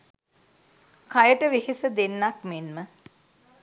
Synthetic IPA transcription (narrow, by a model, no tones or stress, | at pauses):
kajəʈəʋeɦisəd̪enːak̚menmə